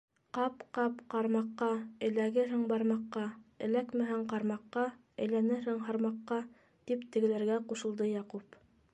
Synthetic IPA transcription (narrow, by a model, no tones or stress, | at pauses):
qɑpqɑpqɑɾmɑqːɑɘ̆læɡɘɦɘŋbɑɾmɑqːɑɘ̆lækmɘ̆ɦæŋqɑɾmɑqːɑ | ɘ̆jlænɘɾhɘŋɦɑɾmɑqːɑ | t̪ipt̪ɘ̆ɡɘ̆læɾɡæquʃɤ̆lˠd̪ɤjɑqup